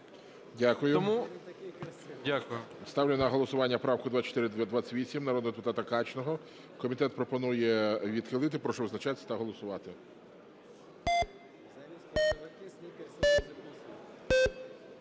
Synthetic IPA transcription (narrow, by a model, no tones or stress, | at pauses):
dʲakʊjʊɔmu | dʲakʊjʊst̪ɑwlʲɪnɐɦɔlˠɔsʊʋɑnʲːɐpɾɑwkʊd̪ʋat͡ʃɔ̥t̪ɪɾɪd̪ʲd̪ʋat͡sʲɐ̥tʲʋʲisʲimnɐɾɔd̪nɔd̪epʊt̪ɑt̪ɐkɑt͡ʃnɔɦɔ | kɔmʲit̪ɛt̪̚pɾɔpɔnujɛʋʲid̪xɪlˠɪt̪ɪpɾɔʃɔʋznɐt͡ʃat̪esʲɐt̪ɐɦɔlˠɔsʊʋɑt̪ɪ